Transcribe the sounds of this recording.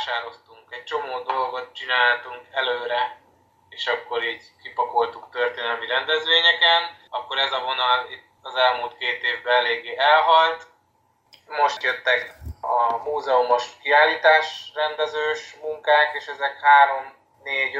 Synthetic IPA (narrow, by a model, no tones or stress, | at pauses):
ʃaːɾo̞st̪uŋkɛc̚t͡ʃo̞moːd̪o̞lɡo̞t̪̚t͡ʃinaːlt̪uŋkɛløːɾɛ | eːʃɒkːo̞ɾiːɟ | kipɒko̞lt̪uk̚t̪ø̞rt̪eːnɛlmiɾɛnd̪ɛzʋeːɲɛkɛnɒkːo̞ɾɛzɒvo̞nɒlit̪ɒzɛlmuːlt̪keːt̪eːvbɛlɛleːɡːeːʔɛlɦɒlt̪ | mo̞ʃt̪jøt̪ːɛkɒmuːzɛumo̞ʃkiaːlːiːt̪aːʃrɛnd̪ɛzøːʃmuŋkaːkeːʃɛzɛkhaːɾo̞m | neːɟ